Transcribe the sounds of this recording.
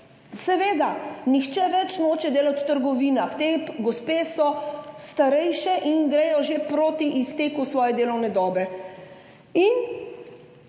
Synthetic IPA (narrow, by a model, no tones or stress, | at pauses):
sɛʋeːd̪anixt͡ʃɛʋɛt͡ʃnoːt͡ʃɛd̪eːlat̪ːəɾɡɔʋiːnaxt̪epɡɔspeːsɔst̪aɾɛjʃɛʔinɡɾɛjɔʒepɾoːt̪iʔist̪eːkusʋɔːjɛd̪eːlɔwnɛd̪ɔːbɛ | in